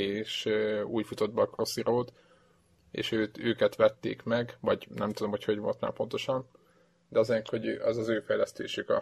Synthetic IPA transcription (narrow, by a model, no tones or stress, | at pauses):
eːʃøuːcfut̪o̞d̪̚bɒkro̞siɾoːt̪ | ḛːʃøːt̪øːkɛt̪ʋɛt̪ːḛːkmɛɡvɒɟnɛmt̪ud̪o̞mho̞cho̞ɟvo̞̰lt̪ma̰ːpo̞nt̪o̞ʃɒn | d̪ɛɒzeːrk̪ho̞ɟʔɒzɒzøːfɛjlɛst̪ḛːʃykɒ̰